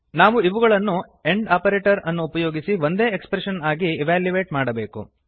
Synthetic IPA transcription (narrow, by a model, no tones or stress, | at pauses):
naːʋuiʋuɡɐɭɐnːu | e̞ɳɖaːpɐɾeːʈɐɾɐnːuːpɐjoːɡisiʋo̞nd̪e̞ːekspɾeʂɐnaːɡiɛʋaːljuʋe̞ːʈmaːɽɐbe̞ːkṵ